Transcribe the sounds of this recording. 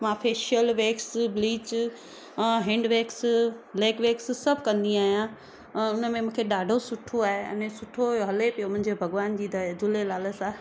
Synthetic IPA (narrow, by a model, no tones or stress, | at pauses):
mãfeːʃəlʋeːksbliːt͡ɕ | ɦɛ̃ːɳɖʋeːksleːkʋeːkssɐbʱkɐ̃nd̪iaːɦijã | ʊnə̆mẽmũːkʰeɗaːɖʱosʊʈʰoaːɦeɐ̰nẽsʊʈʰoɦɐlepijomʊ̃ɦɪ̃ɲd͡ʑebʱɐɡʋaːnd͡ʑiːd͡ʑʱʊlelaːləsã